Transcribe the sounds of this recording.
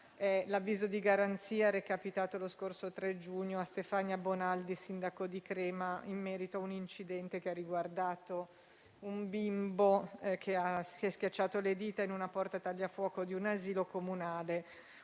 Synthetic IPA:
ɛlavːiːzod̪iɡaɾant̪siːaɾekapit̪aːt̪oloskorsot̪ɾed͡ʒuɲːoast̪efaɲːjabonald̪isind̪akod̪ikɾɛːmaimːɛːɾit̪oaunint͡ʃid̪ɛnt̪ek̟earːiɡward̪aːt̪o | umbimbok̟ʰeasiɛskʲjat͡ʃːaːt̪oled̪iːt̪ainunapɔrt̪at̪aʎːafwɔːkod̪iunaziːlokomunaːle

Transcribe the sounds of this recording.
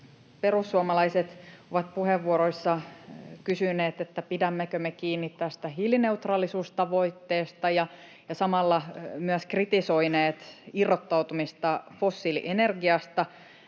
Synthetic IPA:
pe̞rusːuomɑlɑiset̪oʋɑt̪̚puheʋːuoɾoisːɑkysyneːt̪et̪ːæpidæmːækømekiːnːit̪t̪ːæst̪æɦiline̞ut̪rɑːlːisuːst̪ɑʋo̞it̪ːe̞ːst̪ɑjɑ | jɑsɑmɑlːɑmyæskrit̪iso̞ineːt̪irːot̪ːɑwt̪umist̪ɑfosːilḭʔenerɡiɑst̪ɑ

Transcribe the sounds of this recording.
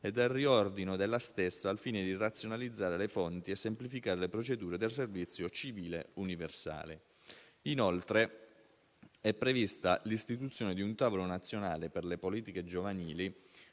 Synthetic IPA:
ed̪elriɔrd̪inod̪elːast̪esːaːlfiːned̪irat̪sːjonalid̪zːaːɾelefont̪iesːemplifikaːɾelepɾot͡ʃed̪uːɾed̪els̬ervit̪sːjot͡ʃiviːlḛuniversa̰ːle | inolt̪ɾe | ɛpːɾevist̪alist̪it̪ut̪sːjoːned̪iunt̪aːvolonat̪sːjonaːleperlepoliːt̪iked͡ʒovaniːli

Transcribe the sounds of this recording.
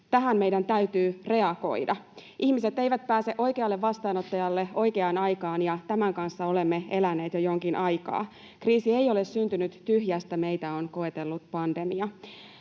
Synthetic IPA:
t̪æɦæmmejdænt̪æyt̪yːre̞ɑko̞̰jdɑʔihmiset̪ːejʋæt̪̚pæːse̞ʔo̞jkeɑlːeʋʋɑst̪ɑːnot̪ːɑjɑlːeo̞jkeɑːnɑjkɑːnjɑt̪æmæŋkɑnsːɑo̞le̞mːeelænːˑe̞ːt̪jojo̞ŋkinʔɑjkɑ̰ː | kriːsiejo̞lessynt̪ynyt̪t̪yɦjæst̪æme̞ijt̪æonko̞et̪elːut̪pɑnde̞miɑ

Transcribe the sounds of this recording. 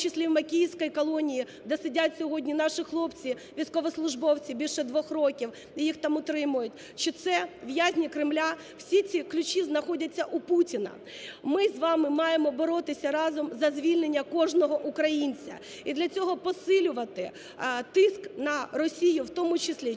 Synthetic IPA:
t͡ʃɪsʲlʲiwmɐkʲijsʲkɔjkɔlˠɔnʲiji | d̪ɛsɪdʲatʲsʲɔɦɔdʲnʲinɑʃixlˠɔpt͡sʲi | ʋʲijsʲkɔʋɔslˠʊʒbɔwt͡sʲibʲilʲʃɛd̪ʋɔxrɔkʲiw | ijixt̪ɑmʊt̪ɾɪmʊjʊtʲ | ʃɔt̪sɛʋjazʲnʲikɾɪmlʲa | w̥sʲit͡sʲiklʲʊt͡ʃiznɐxɔdʲɐt͡sʲːɐʔuputʲinɐ̰ | mɪzʋɑmɪmɑjemɔbɔɾɔt̪ɪsʲɐɾɑzɔmzɐzʲʋʲilʲnenʲːɐkɔʒnɔɦɔʔʊkɾɐjinʲt͡sʲɐ̰ | id̪lʲɐt͡sʲɔɦɔpɔsɪlʲʊʋɐt̪ɪ | t̪ɪsknɐrɔsʲijʊwt̪ɔmʊt͡ʃɪsʲlʲi

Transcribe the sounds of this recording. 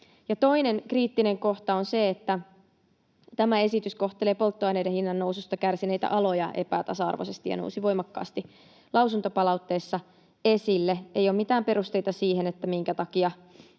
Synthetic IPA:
jɑt̪o̞ine̞nkriːt̪ːine̞ŋko̞ht̪ɑonseet̪ːæ | t̪æmæe̞sit̪ysko̞ht̪ele̞ːpo̞lt̪ːoɑjneidehinːɑnːousust̪ɑkærsine̞jt̪æ̰ʔɑlo̞jɑ̰ʔe̞̰pæːt̪ɑsɑɑ̰rʋo̰sest̪ijɑ̰no̰usiʋo̞jmɑkːɑ̰ːst̪i | lɑwsunt̪opɑlɑut̪ːe̞ːsːɑ | e̞silːeḛjoːmit̪æːmpe̞ɾust̪e̞jt̪ɑsiːhenet̪ːæmiŋkæt̪ɑkiɑ

